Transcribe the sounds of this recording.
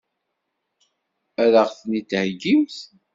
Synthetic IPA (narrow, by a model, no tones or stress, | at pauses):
æɾəʁθnit̪ːhɡiwθ